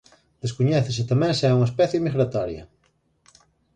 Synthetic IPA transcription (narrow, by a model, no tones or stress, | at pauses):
d̪̥eskuɲɛθesɪt̪amɛ̃ŋsɛuŋɐespɛθjemiɣɾat̪ɔɾjɐ̰